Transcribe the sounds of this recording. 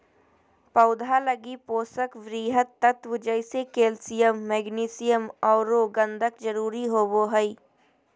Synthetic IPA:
pəʊd̪ʱaləɡipoːsəkʋɾiːɦət̪ːət̪ʋəd͡ʒəɪsekeːlsɪjəmːɛːɡniːsɪjəmɔːɾoːɡə̃nd̪ʱəkd͡ʒəɾuːɾiɦoːboɦəi

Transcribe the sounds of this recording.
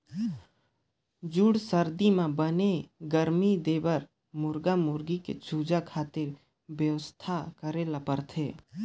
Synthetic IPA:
d͡ʒʊɽsəɾd̪imãbəneɡəɾmid̪eːbəɾ | mʊɾɡamʊɾɡikḛt͡ʃuːd͡ʒakʰaːt̪ɪɾ | bjəʋəst̪ʰakəɾelapəɾt̪ʰeː

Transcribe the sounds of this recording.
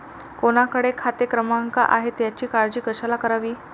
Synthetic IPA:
koɽ̃akəɽekʰat̪ekɾəmaŋka̰ʔaɦet̪jat͡ɕiːkaɾd͡ʑiːkəɕalakəɾaʋiː

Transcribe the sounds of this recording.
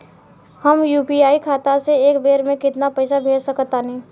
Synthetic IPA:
həmjuːpiaːikʰaːt̪aseeːkbeːɾmẽkɪt̪napəɪsabʱeːd͡ʒsəkət̪aːnĩː

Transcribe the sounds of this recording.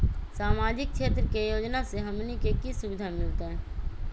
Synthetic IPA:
saːmaːd͡ʒɪkʃeːt̪ɾəkejoːd͡ʒnaseɦɐmnikekisʊbɪd̪ʱamɪlt̪eɦɛ̃ː

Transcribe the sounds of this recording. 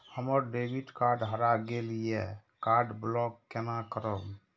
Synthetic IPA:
həməɾɖebiʈkaɾɖɦəɾaɡelijɛkaɾɖblɔkːenakəɾəb

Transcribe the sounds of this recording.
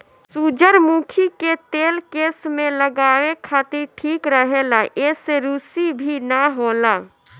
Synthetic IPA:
sud͡ʒəɾmukʰiket̪eːlkeːsmẽləɡaekʰaːt̪iɾʈʰiːkɾəɦelaʔeseɾusibʱinəɦola

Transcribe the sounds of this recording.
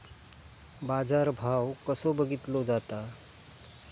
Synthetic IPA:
bad͡zaɾbʱawkəsobəɡit̪lod͡zat̪a

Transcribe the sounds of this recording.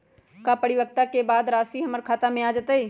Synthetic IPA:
kapəɽɪwək̚t̪akebaːd̪ɾaːsiɦɐməɾkʰaːt̪amẽaːd͡ʒat̪ai

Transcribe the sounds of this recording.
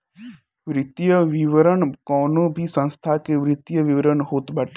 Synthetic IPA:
ʋɾɪt̪jəʋiʋəɾəɳkɔːnobʱisə̃nst̪ʰakeʋɾɪt̪jəʋiʋəɾəɳɦot̪bəʈ

